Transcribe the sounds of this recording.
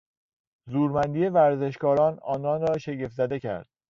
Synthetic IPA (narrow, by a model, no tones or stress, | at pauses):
zuːɾmænd̪iːe̞væɾze̞ʃkɒːɾɒːnɒːnɒːnɾɒːʃeɟefzæd̪e̞cʰæ̰ɾd̪̥